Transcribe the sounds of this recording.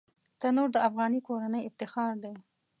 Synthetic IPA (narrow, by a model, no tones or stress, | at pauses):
t̪ənoɾd̪əafɣɑnikoɾanəjɪft̪ɪxɑɾd̪e